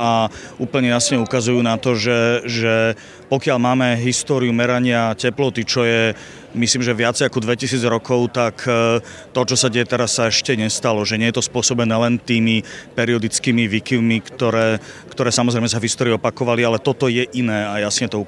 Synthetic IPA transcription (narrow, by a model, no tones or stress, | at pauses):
auːplɲɛjasɲɛukazujuːnat̪ɔʒɛʒɛ | pɔkɪalmaːmɛɦist̪ɔːɾiumɛɾaɲɪacɛplɔt̪it͡ʃɔjɛ | misliːmʒɛʋɪat͡sɛjakɔd̪ʋɛcisiːd͡zɾɔkɔʊt̪ak | t̪ɔt͡ʃɔsaɟɛjɛt̪ɛɾasːaɛʃcɛɲɛst̪alɔʒɛɲɪɛjɛt̪ɔspʊɔsɔbɛnɛːlɛnt̪iːmipɛɾiɔd̪it͡skiːmiʋikivmikt̪ɔɾɛː | kt̪ɔɾɛːsamɔzɾɛɪmɛs̬avɦist̪ɔːɾiɔpakɔʋalialɛt̪ɔt̪ɔjɛʔinɛːajasɲɛt̪ɔu